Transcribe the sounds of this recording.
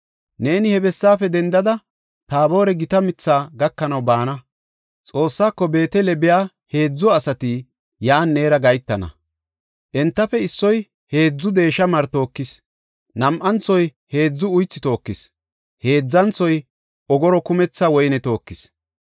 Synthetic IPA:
ne̞ːnɪhɛbɛsːaːfɛd̪ɛnd̪ɐd̪ɐ | t̪aːbo̞ːɾɛɡɪt̪ɐmɪt͡sːaːɡɐkːɐnɐwbaːnɐ | t͡sʼo̞ːsːaːkːɔbe̞ːt̪ɛlɛbɪjaː | he̞ːd͡zːɔɐsɐt̪i | jaːnːeːɾɐɡɐjt̪ːɐnɐ̰ | ʔɛnt̪ːɐfɛɪsːɔj | he̞ːd͡zːʊd̪e̞ːʃɐmɐɾt̪o̞ːkːɪs | nɐmʔɐnt͡sːɔj | he̞ːd͡zːʊʊjt͡sːɪt̪o̞ːkːɪs | he̞ːd͡zːɐnt͡sːɔj | ʔɔɡɔɾɔkʊmɛt͡sːawɔjnɛt̪o̞ːkːɪs

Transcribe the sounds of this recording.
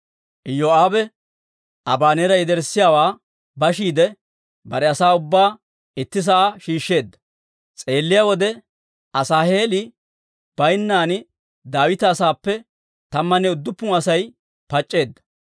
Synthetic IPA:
ʔɪjoaːbɛ | ʔɐbaːnɛːɾɐjɪd̪ɛɾsːɪjaːwaː | bɐʃ̬iːd̪ɛ | bɐɾɛɐsaːʊbːaː | ɪt̪ːɪs̬ɐaʃiːʃːe̞ːd̪ːɐ̥ | t͡sʼe̞ːlːɪjaːwɔd̪ɛ | ʔɐsaːhe̞ːlɪ | b̥ɐjnːaːn | d̪aːwɪt̪ɐːsaːpːɛ | t̪ɐmːɐnɛʊd̪ːʊpːʊɐsɐj | pɐt͡ʃʼːe̞ːd̪ːɐ̥

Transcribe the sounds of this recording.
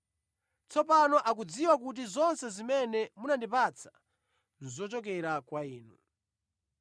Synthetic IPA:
t͡sɔpanɔʔak̬ud͡ziwak̬ut̬izɔnsɛzimɛnɛmunandipat͡sʰḁ | nzɔt͡ʃɔk̬ɛɾakwaiːnu

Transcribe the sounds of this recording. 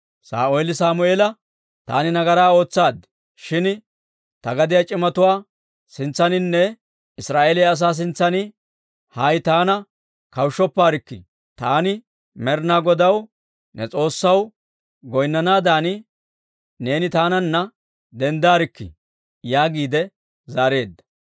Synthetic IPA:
sa̰ːʔʊelɪsaːmʊeːlɐ | t̪a̰ːnɪnɐɡɐɾaːo̞ːt͡sːaːd̪ | ʃɪn | t̪ɐɡɐd̪ɪjɐt͡ʃʼɪmɐt̪ʊwaː | sɪnt͡sːɐnɪnːɛ | ɪsɾaːʔeːlɛjɐs̬aːs̬ɪnt͡sːɐnɪ | hɐjt̪aːnɐ | kɐwʃːɔpːaːɾɪkːɪ̰ | t̪aːnɪ | mɛɾnaːɡɔd̪ɐw | nɛt͡sʼo̞ːsːɐw | ɡɔjnːɐnaːd̪aːnɪ | ne̞ːnɪt̪aːnɐnːɐ | d̪ɛnd̪aːɾɪkːɪ̰ | jaːɡiːd̪ɛ | zaːɾe̞ːd̪ːɐ̥

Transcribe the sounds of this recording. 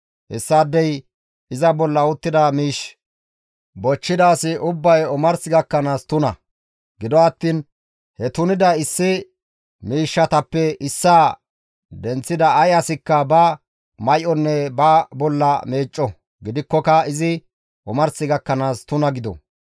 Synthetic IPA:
ʔɛsːaːd̪ːɛj | ɪzɐbɔlːɐʊt̪ːɪd̪ɐmiːʃ | bɔt͡ʃːɪd̪aːsɪʔʊbːɐjɔmɐɾsɪɡɐkːɐnaːst̪ʊnɐ | ɡɪd̪ɔɐt̪ːiːn | hɛt̪ʊnɪd̪ɐɪsːɪ | miːʃːɐt̪ɐpːɛɪsːa | d̪ɛnt͡sːɪd̪ɐːjɐsɪkːɐbɐ | mɐjʔɔnːɛbɐbɔlːɐme̞ːt͡ʃʼːɔ | ɡɪd̪ɪkːɔkɐɪzɪ | ʔɔmɐɾsɪɡɐkːɐnaːst̪ʊnɐɡɪd̪ɔ̰

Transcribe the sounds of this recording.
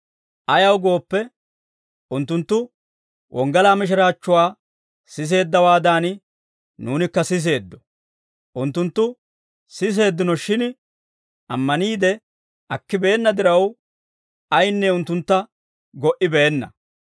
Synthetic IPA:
ʔɐjɐwɡo̞ːpːɛ | ʔʊnt̪ːʊnt̪ːʊ | wʔɔŋɡɐlaːmɪʃ̬ɪɾaːt͡ʃːʊwaː | sɪs̬e̞ːd̪ːɐwaːd̪aːn | nuːnɪkːɐsɪs̬e̞ːd̪ːɔ̥ | ʔʊnt̪ːʊnt̪ːʊ | sɪs̬e̞ːd̪ːɪnɔʃɪn | ʔɐmːɐniːd̪ɛ | ʔɐkːɪbe̞ːnːɐd̪ɪɾɐw | ɐjnːɛʊnt̪ːʊnt̪ːɐ | ɡɔʔɪbeːnːɐ̰

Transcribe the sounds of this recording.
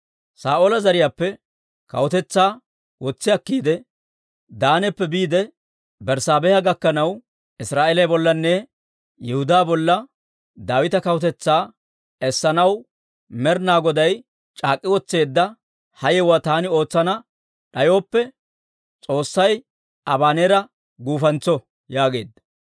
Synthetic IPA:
saːʔoːlɐzɐɾɪjaːpːɛ | kɐ̰wɔt̪ɛt͡sːaː | wɔt͡sːɪɐkːiːd̪ɛ | d̪aːnɛpːɛbiːd̪ɛ | bɛɾsaːbɛjɐɡɐkːɐnɐw | ʔɪsɾaːʔelɐjbɔlːɐnːɛ | jɛhʊd̪aːbɔlːɐ | d̪aːwɪt̪ɐkɐwʊt̪ɛt͡sːaː | ɛsːɐnɐw | mɛɾnaːɡɔd̪ɐj | t͡ʃʼaːkʼːɪwɔt͡sːe̞ːd̪ːɐ | hɐjɛwaːt̪aːnɪo̞ːt͡sːɐnɐ | ɗɐjo̞ːpːɛ | t͡sʼo̞ːsːɐj | ʔɐbaːneːɾɐ | ɡuːfɐnt͡sːɔ | jaːɡe̞̰ːd̪ːɐ̥

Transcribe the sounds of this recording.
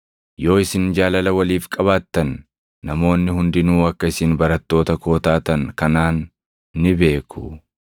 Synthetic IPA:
jo̞ːɪsɪnd͡ʒaːlɐlɐwɐliːfkʼɐβaːt̪ːɐnː | ɐmo̞ːnːɪhʊnd̪ɪnuːɐkːɐɪsɪnbɐɾɐt̪ːo̞ːt̪ɐko̞ːt̪aːt̪ɐnkɐnaːnː | ɪbe̞ːkʰʊ

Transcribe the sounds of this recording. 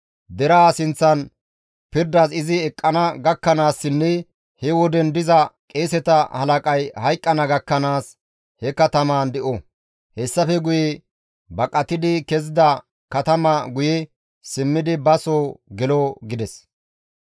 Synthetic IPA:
d̪ɛɾaːsɪnt͡sːɐn | pɪɾd̪ɐsɪzɪɛkʼːɐnɐɡɐkːɐnaːsːɪnːɛ | hɛwɔd̪ɛnd̪ɪzɐkʼeːsɛt̪ɐhɐlɐkʼɐjhɐjkʼːɐnɐɡɐkːɐnaːs | hɛkɐt̪ɐmaːnd̪ɛʔo | hɛsːɐfɛɡʊjɛ | bɐkʼːɐt̪ɪd̪ɪkɛzɪd̪ɐ | kɐt̪ɐmɐɡʊjɛ | sɪmːɪd̪ɪbɐsoːɡɛloɡɪd̪ɛs

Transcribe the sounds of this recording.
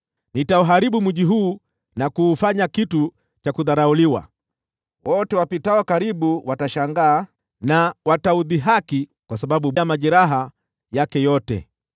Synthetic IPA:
nitauɦaɾiɓumuʄiɦuː | nakuːfaɲakitu | t͡ʃakuðaɾauliwa̰ | wɔtɛwapitawakaɾiɓuwataʃaŋɡaː | nawatauðiɦakikwasaɓaɓuɓamaʄɛɾaɦa | jakɛjɔtɛ̰

